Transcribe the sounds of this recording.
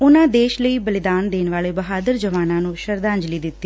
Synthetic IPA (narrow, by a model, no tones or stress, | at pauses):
ʊnãːd̪eːʃləiːbəlɪd̪aːnd̪eːnʋaːleːbəɦaːd̪əɾd͡ʒəʋaːnãːnũːʃəɾd̪ãːɲd͡ʒliːd̪ɪt̪ːiː